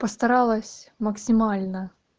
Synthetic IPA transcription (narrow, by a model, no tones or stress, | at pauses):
pəst̪ɐɾalˠəsʲməksʲɪmalʲnə